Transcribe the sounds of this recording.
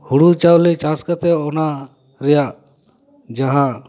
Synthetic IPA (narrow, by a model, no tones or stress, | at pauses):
huɽut͡ʃawlit͡ʃaskat̪ɛɔna | ɾɛja | d͡ʒaɦã